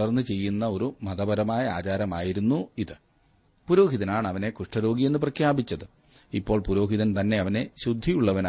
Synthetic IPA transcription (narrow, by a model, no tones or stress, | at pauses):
ɐrnːɨt͡ɕe̞jːunːɐo̞ɾumɐðɐbɐɾɐmaːjɐa̰ːt͡ɕaːɾɐmaːjiɾunːuiðɨ | puɾo̞ːɦiðɐnaːɳɐʋɐne̞kuʂʈɐɾo̞ːɡije̞nːɨp̬rɐkʰjaːbit͡ɕːɐðɨ | ipːo̞ːɭpuɾo̞ːɦiðɐnt̪ɐnːe̞ɐʋɐne̞ɕud̪ʱːijuɭːɐʋɐna